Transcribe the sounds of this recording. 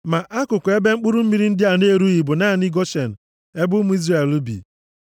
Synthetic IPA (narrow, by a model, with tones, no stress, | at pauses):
ma˨ʔa˦kʊ˨kʊ˨e˦be˦ŋ͡m̩˦k͡pʊ˦ɾu˦m̩˦mi˨ɾi˦n̩˦dɪ˦a˨ne˦ɾu˦i˨bʊ˨naː˦˨ni˦ɡɔ˦ʃe˨n̩˨ | e˦bʊ˦mʊ˦i˦zra˦˨e˨lu˦bḭ˨